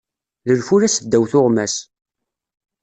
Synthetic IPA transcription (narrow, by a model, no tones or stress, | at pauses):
ðəlfuɾæsəd̪ːæwθʊʁmæs